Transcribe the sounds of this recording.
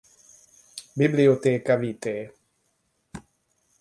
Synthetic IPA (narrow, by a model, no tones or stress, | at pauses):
bibliot̪ekavit̪e